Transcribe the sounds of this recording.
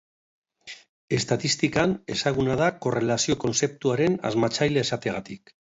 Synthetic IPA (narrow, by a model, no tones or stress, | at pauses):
e̞st̪at̪ist̪ikane̞̰saɣ̞unaðako̞re̞lasio̞ko̞nse̞p̚t̪uaɾe̞na̰zmat͡sajleesat̪eɣ̞at̪ik